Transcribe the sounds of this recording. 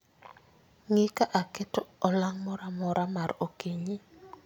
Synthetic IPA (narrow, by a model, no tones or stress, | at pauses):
ŋɪkaʔakɛtɔɔlaŋmɔɾamɔɾamaɾokeɲi